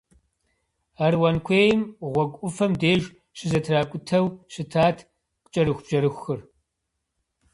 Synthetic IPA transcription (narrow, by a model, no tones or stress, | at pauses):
arwɐnkʷʰeːjɪmʁʷɔkʷʼʊfɐmdeːʒ | ɕɪzɐtʰraːkʷʼʊtʰɐwʃɪtʰaːtʰ | qʼt͡ʃʼɐɾɨxʷb̥ʒ̥ɐɾɨxʷːɨr